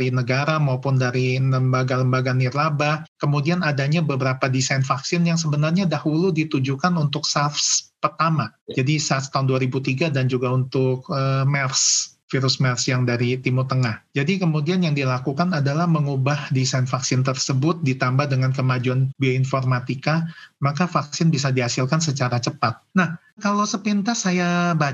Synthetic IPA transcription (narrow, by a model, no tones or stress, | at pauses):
ɾinəɡaɾamaupʊndaɾiləmbaɡaləmbaɡanirlaba | kəmudianadaɲabəbəɾapadisajnfaksɪnjaŋsəbənarɲadahuludit̪ud͡ʒukanunt̪ʊksafspərt̪amad͡ʒadisast̪aʊnduaɾibut̪iɡadand͡ʒuɡaunt̪ʊk̚əmɛrs | fiɾʊsmɛrsjaŋdaɾit̪imut̪əŋahd͡ʒadikəmudianjaŋdilakukanadalahməŋubahdisajnfaksɪnt̪ərsəbʊt̪̚dit̪ambahdəŋankəmad͡ʒuanbioinformat̪ikamakafaksɪnbisadiɦasɪlkansət͡ʃaɾat͡ʃəpat̪̚nah | kalowsəpint̪asajaba